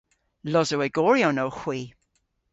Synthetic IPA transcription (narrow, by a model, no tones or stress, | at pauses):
lɔzəwɛɡ̥ɔːɹionowxw̥iː